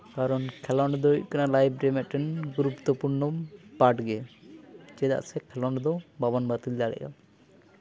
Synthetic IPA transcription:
kaɾɔnkʰɛlɔɳɖd̪ɔṵc̚kanalajb̚ɖɾɛmɛʔʈɛnɡɾupt̪ɔpuɾnɔmpaʈɡɛ | d͡ʒɛd̪a̰ʔsɛkʰɛlɔɳɖd̪ɔbabanbat̪ild̪aɽɛ̰ʔa̰

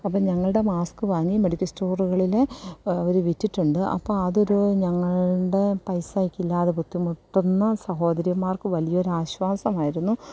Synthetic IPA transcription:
ɐpːɐːɲɐŋːɐɭɨɽe̞maːskɨʋɐːɐɲːimeɽikʲːɐsto̞ːruɣɐɭileoɾuʋitːiʈːuɳɖɨʔɐ̰pːoːɭɐðo̞ɾuɲɐŋːɐɭɖe̞pɐjsajikːilːaːðeput̪ːimuʈːunːɐsɐɦo̞ːd̪ɐɾijɐmaːrkɨʋɐlijɐoɾaːɕʋaːsɐmaːjiɾunːu

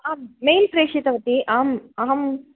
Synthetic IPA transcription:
aːmːejnpɾeːʂit̪ɐʋɐt̪ːiʔaːmaɦɐm

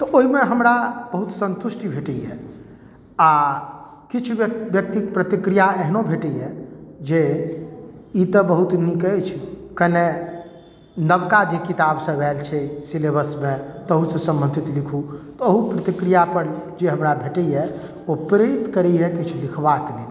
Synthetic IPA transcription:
t̪ɔʔoɦimeɦəmɾabəɦut̪sə̃nt̪uʃʈibʱeʈəɛ | a | kit͡ʃʰubjək̚t̪ikpɾət̪ikɾijaeɦnobʱeʈɛɛd͡ʒe | it̪əbəɦut̪nikət͡ʃʰkəne | nəbkad͡ʒekit̪absə̃bɛlt͡ʃʰɛsilebəsmet̪əɦusə̃sə̃mbə̃nd̪ʱit̪likʰut̪ɔəɦupɾət̪ikɾijapəɾd͡ʒeɦəmɾabʱeʈəjɛ | opɾet̪kəɾɛɛkit͡ʃʰulikʰbakli

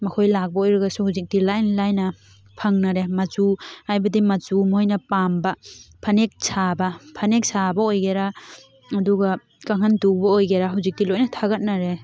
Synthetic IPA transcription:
mɐkʰojlak̚baojɾaɡasuhuzik̚dilajnlajnɐ | pʰɐŋnaɾemazuajbɐdimɐzumojnɐpambapʰɐnek̚sʰabɐpʰɐnek̚sabaojɡeɾaː | duɡa | kaŋɦandubaojɡeɾaɦuwzik̚dilojnɐtʰaɡɐt̚naɾe

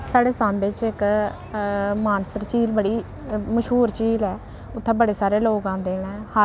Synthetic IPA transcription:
saːɽeːsãːmbet͡ʃɪk | maːnsəɾt͡ʃiːlbəɽiː | məʃɦuːɾt͡ʃiːlɛː | ʊt̪ʰːẽːbəɽeːsaːɾeːloːɡãːd̪eːɽːha

